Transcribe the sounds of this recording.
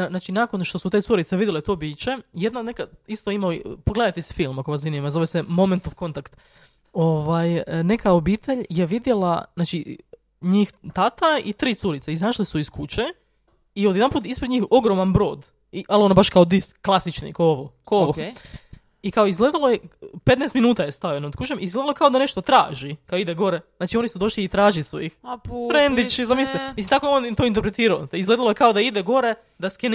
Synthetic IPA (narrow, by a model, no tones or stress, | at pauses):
naːt͡ʃinako̞nʃt̪o̞sut̪esuɾit̪seʋid̪ʲjelet̪o̞ːbiːt͡ɕe̞jed̪nanekaist̪oimaopoɡled̪ajt̪ese̥filˠmako̞ʋazinimazo̞ʋesemo̞ment̪oʋko̞nt̪akt̪ | o̞ʋajne̞kao̞biːt̪ʰe̞ʎje̞ʋid̪je̞la̰naːt͡ʃi | ɲiːxt̪at̪ait̪ɾiːt̪suɾit̪seizaʃlisuiskut͡ʃe | iod̪jeanpuːt̪ispɾed̪ɲiːxo̞ɡɾo̞manbɾo̞ːd̪ | iʔalionabaʃkaod̪iskːlˠasit͡ʃnḭkaooʋokooo | ikaoizɡlˠed̪alˠojepet̪neːst̪minuːt̪ajest̪ajenod̪kut͡ʃemizɡledalojkao̞d̪aneʃt̪ot̪ɾa̰ːʒikaoid̪eɡo̞ɾeznaːt͡ʃio̞nisud̪o̞ʃliːt̪ɾaːʒiso̰jixfɾend̪it͡ʃizamislt̪emislint̪akojeoːnt̪oint̪eɾpɾet̪iːɾaoizɡled̪alojekaod̪aid̪eɡo̞ɾe | d̪asken